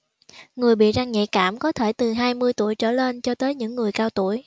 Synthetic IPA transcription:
ŋɨ˨˩əjɓḭ˧˨za˧ŋɲɛ̰˧˨kaː˧˩mkɔ˨˦t̪ʰe˧˩t̪ɨ˨˩ɦaː˧jmɨ˧əjt̪u˧˩˨əjt͡ɕə̰ː˧˩le˧nt͡ɕɔ˧t̪əː˨˦jɲɨ̰˧˥ŋːɨ˨˩əjkaː˧wt̪ṵ˧˩əj

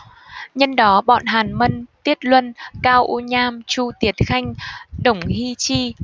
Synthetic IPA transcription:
ɲə˧nɗɔ˨˦ɓɔ̰˧˨nɦaː˨˩nmə˧nt̪i˦˥ət̚lwə˧nkaː˧wʔu˧ɲaː˧mt͡ɕu˧t̪i˨˦ət̚xa˧jŋ̟ɗə˧˩wŋ͡mhi˧t͡ɕi˧

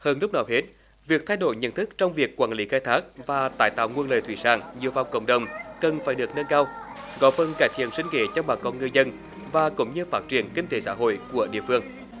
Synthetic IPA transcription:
həː˧nlʊ˦˥k͡p̚nɔ˨˦wɦe˦˥t̚ | vi˨˩ək̚t̪ʰa˧jɗo̰˧˩jɲə̰˧˥nt̪ʰɨ˦˥k̚t͡ɕɔ˧wŋ͡mvi˨˩əkːwaː˧˩nli˨˦xaː˧jt̪ʰaː˦˥k̚vaː˨˩t̪aː˧˩jt̪a̰ː˧˨wŋu˧ənləː˨jt̪ʰwḭ˧˩sa̰ː˧˩ŋɲi˨˩əwva˨wŋ͡mkə̰˧˨wŋ͡mɗə˨˩wŋ͡mkə˨˩nfaː˧˩jɗɨ˨˩ək̚nə˧nkaː˧wɣɔ˨˦fə˧˩nkaː˧˩jt̪ʰḭ˧˨ənswï˧ŋ̟kḛ˧˨˦t͡ɕɔ˧wŋ͡mɓaː˨˩kɔ˨˧˥nŋɨ˧jzə˧n | vaː˨˩kʊ̰˧˥ŋ͡mɲɨ˧faː˦˥t̚t͡ɕi˧˩ənkï˧ŋ̟t̪e˨˦sa̰ː˧˥ɦo̰˧˨jku˧˩əɗḭ˧˨əfɨ˧əŋ

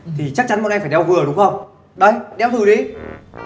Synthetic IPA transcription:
t̪ʰi˨˩t͡ɕa˦˥k̚t͡ɕa˨˦nm˧˥na˧ŋfaː˧˩ɗɛ˧wɣɨ˨˩əɗʊ˨˦ŋ͡mxə˧wŋ͡m | ɗə˨˧jɗɛ˧wt̪ʰɨ˨˩ɗi˨˧˦

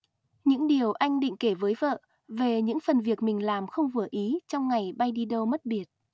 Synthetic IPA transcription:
ɲɨ̰˧˥ŋɗi˨˩əwʔa˧jŋ̟ɗḭ˧˨ŋ̟ke˧˩vəː˨˦jvə̰ː˧˨ | ve˨˩ɲɨ̰˧˥ŋfə˨˩nvi˨˩ək̚mï˨˩ŋ̟laː˨˩mxə˧wŋ͡mvɨ˧˩əʔi˨˦t͡ɕɔ˧wŋ͡mŋa˨˩jɓa˧jɗi˧ɗə˧wmə˦˥t̚ɓi˨˩ət̚

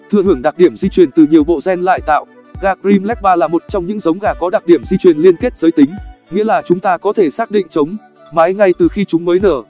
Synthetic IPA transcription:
t̪ʰɨ̰˧˨əhɨ˧˩əŋɗa˨˩k̚ɗi˧˩əmzi˧t͡ɕwi˨˩ənt̪ɨ˨˩ɲi˨˩əwɓo̰˧˨zɛ˧nla̰ː˧˨jt̪a̰ː˧˨w | ɣaː˧˩kɾi˧mlɛ˦˥k̚ɓaː˧laː˨˩mo˨˩t̚t͡ɕɔ˧wŋ͡mɲɨ̰˧˥ŋzə˨˦wŋ͡mɣaː˨˩kɔ˨˦ɗa˨˩k̚ɗi˧˩əmzi˧t͡ɕwi˨˩ənli˧ənke˦˥t̚z̥əː˨˦jt̪ï˨˦ŋ̟ŋḭ˧˥laː˨˩t͡ɕʊ˨˦ŋ͡mt̪aː˧kɔ˨˦t̪ʰe˧˩saː˦˥k̚ɗḭ˧˨ŋ̟t͡ɕə˨˦wŋ͡m | ma˨˦jŋa˧jt̪ɨ˨˩xi˧t͡ɕʊ˨˦ŋ͡mməː˨˦jnəː˧˩

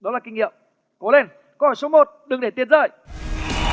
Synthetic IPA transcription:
ɗɔ˨˦laː˨˩kï˧ŋ̟ŋḭ˧˨əm | kɔo˨˦le˧˩n | kɔ˨˦ɔː˧˩so˨˦mo˨˩t̚ɗɨ˨˩ŋɗe˧˩t̪i˧ənzə̰ː˧˨j

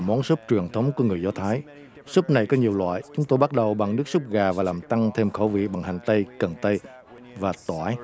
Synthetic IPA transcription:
mɔ˨˦nsu˦˥p̚t͡ɕwi˨˩əŋt̪ʰə˨˦wŋ͡mku˧˩əŋɨ˨˩əjzaː˧˦t̪ʰaː˨˦j | su˦˥p̚na˨˩jkɔ˨˦ɲi˨˩əwlwa̰ː˧˨jt͡ɕʊ˨˦ŋ͡mt̪o˧jɓa˦˥t̚ɗə˨˩wɓa˨˩ŋnɨ˦˥ək̚su˦˥p̚ɣaː˨˩vaː˨˩laː˨˩mt̪a˧ŋt̪ʰe˧mxə̰˧˩wvḭ˧˨ɓa˨˩ŋha˨˩jŋ̟t̪ə˧jkə˨˩nt̪ə˧j | vaː˨˩t̪wa̰ː˧˩˦j

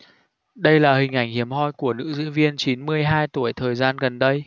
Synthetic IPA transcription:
ɗə˧jlaː˨˩hï˨˩ŋ̟ʔa˧˩jŋ̟hi˧˩əmɦɔ˧jku˧˩ənɨ̰˧˥zɨ̰˧˥vi˧ənt͡ɕi˨˦nmɨ˧əjɦaː˧jt̪u˧˩əjt̪ʰəː˨˩jzaː˧nɣə˨˩nɗə˧j

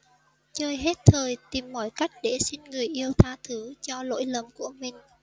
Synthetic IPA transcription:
t͡ɕəː˧jɦe˦˥t̚t̪ʰəː˨˩jt̪i˨˩mːɔ̰˧˩jka˦˥jk̟̚ɗe˧˩si˧nŋɨ˨˩əjʔi˧əwt̪ʰaː˧t̪ʰɨ˨˦t͡ɕɔ˧lo̰˧˥jlə˨˩mku˧˩əmï˨˩ŋ̟

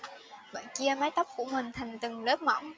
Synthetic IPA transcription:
və̰ː˧˨ki˧əmaː˨˦jt̪ə˦˥wp̚ku˧˩əmï˨˩ŋ̟t̪ʰa˨˩jŋ̟t̪ɨ˨˩ŋləː˦˥p̚ma˧˩w

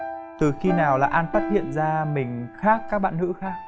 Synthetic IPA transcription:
t̪ɨ˨˩xi˧naː˨˩wlaː˨˩ʔaː˧nfaː˦˥t̚hḭ˧˨ənzaː˧mï˨˩ŋ̟xaː˦˥k̚ːaː˦˥k̚ɓa̰ː˧˨nhɨ̰˧˥xaː˦˥k̚

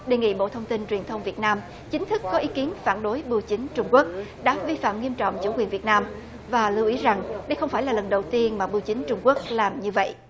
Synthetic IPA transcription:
ɗe˨˩ŋḭ˧˨ɓo̰˧˨t̪ʰə˧wŋ͡mt̪i˧nt͡ɕwi˨˩ənt̪ʰə˧wŋ͡mvi˨˩ət̚naː˧m | t͡ɕï˨˦ŋ̟t̪ʰɨ˦˥kːɔ˨˦ʔi˨˦ki˨˦ənfaː˧˩nɗo˨˦jɓɨ˧əwt͡ɕï˨˦ŋ̟t͡ɕʊ˧ŋ͡mku˦˥ək̚ɗa̰ː˧˥vi˧fa̰ː˧˨mŋi˧əmt͡ɕɔ̰˧˨wŋ͡mt͡ɕu˧˥kwi˨˩ənvət̚naː˧m | vaː˨˩lɨ˧wʔi˨˦za˨˩ŋɗə˧jxə˧wŋ͡mfaː˧˩jlaː˨˩lə˨˩nɗə˨˩wt̪i˧ənmaː˨˩ɓɨ˧wt͡ɕï˨˦ŋ̟t͡ɕʊ˧ŋ͡mku˦˥ək̚laː˨˩mɲɨ˧və̰˧˨ʔ

